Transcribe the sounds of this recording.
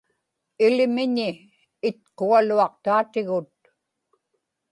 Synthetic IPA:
ɪlɪmɪɲɪː | t̪̚qualuɑq̚t̪aːt̪ɪɣʊt̪̚

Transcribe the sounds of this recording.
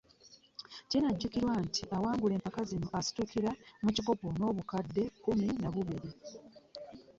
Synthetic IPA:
cinaɟːukiɾwantʰiʔawaːŋɡule̞ːmpakazinoʔasi̥tukiɾamuciɡo̞pono̞ːβukadːe̞kuminaβuβiɾi

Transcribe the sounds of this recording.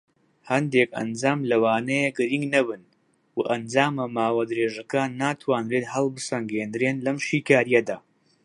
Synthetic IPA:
hɐnd̪ekɐ̰nd͡zaːmlɐwaːnɐjeɡɨɾiŋɡnɐbɨn | waʔɐnd͡zaːmamaːwaːd̪ɨɾeːʒɐkaːnːaːt̪ʰwaːnreːt̪hɐlˠbɨsɐŋɡeːnd̪ɨɾeːnlɐmʃiːkaːɾijɐd̪aː

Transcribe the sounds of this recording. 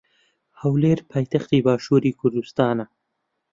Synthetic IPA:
hawleɾpʰajt̪axt̪ibɑːʃuɾikʊɾd̪ust̪ɑːna

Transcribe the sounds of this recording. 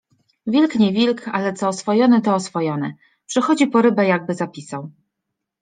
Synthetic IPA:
vʲilkɲɛvʲilkalɛt̪sɔːsfɔjɔnɘt̪ɔːsfɔjɔnɛ | pʂɛxɔd͡ʑipɔɾɘbɛjaɡ̚bɘzapʲisaw

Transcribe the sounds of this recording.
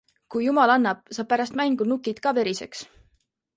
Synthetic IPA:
kujjumɑlɑnːɑb̥̚sɑːb̚pæɾɑst̪mæŋɡ̥unukːˑid̪̥kɑve̞ɾise̞ks

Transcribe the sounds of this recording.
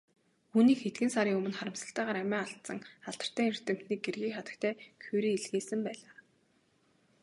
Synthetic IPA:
uːniːkxet̪ɡɘ̆nsaɾiːŋɵmɵ̆nχaɾə̆msə̆ɬt̪æːʁaːɾæmæːaɬt̪sə̆ŋaɬt̪ə̆r̥t̪æːir̥t̪ɘ̆m̥t̪niːk̚ɡerɣiːkχat̪ə̆k̚t̪ʰæːkʰuɾiːiɮɣeːsɘ̆mpæːɮaː

